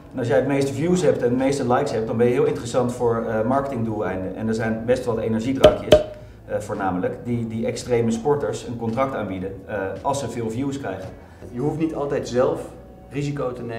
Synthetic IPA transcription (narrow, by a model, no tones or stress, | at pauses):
nɑlˠs̬jɛjətmejstəvjusɦɛp̚tɛndmejstəlɛjksɦɛp̚t̚dɑnbɛnjəɦɪːlˠɪ̃ntərəsɑntfʊːɹmɑɹkətɪŋdulˠɛjndənʔɛ̰ndɛɹzɛjnbɛstʋɑtejnɛɹʒidrɑŋkjəs | vʊːɹnaːmələkdidiɛkstrejməspɔɹtəɹsənkɔntrɑk̚taːnbidənʔɑlˠsəvɪːlˠvjuskrɛjχən | jəɦuftnitɑlˠtɛjtzɛlˠf | rizikowtəne